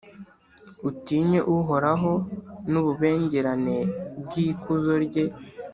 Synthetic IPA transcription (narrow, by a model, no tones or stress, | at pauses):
utiːɲe̞ʔuɦo̞ɾaɦo̞nuβuβe̞ːɲɟe̞ɾane̞bɡiːkʰuzo̞ɾɟe̞